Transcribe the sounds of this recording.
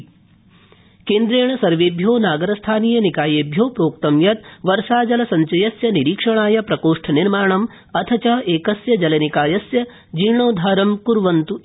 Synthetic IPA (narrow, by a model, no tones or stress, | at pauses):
keːnd̪ɾeːɳɐsɐɾʋeːbʱjoːnaːɡɐɾɐst̪ʰaːniːjɐnikaːjeːbʱjoːpɾoːk̚t̪ɐmjɐt̪̚ʋɐɾʂaːd͡ʒɐlɐsɐɲt͡ʃɐjɐsjɐniɾiːkʂɐɳ̃aːjɐpɾɐkoːʂʈʰɐniɾmaːɳɐm | ɐt̪ʰɐt͡ʃɐɦeːkɐsjɐd͡ʒɐlɐnikaːjɐsjɐ | d͡ʒiːɳoːd̪ʱaːɾɐmkuɾʋɐnt̪u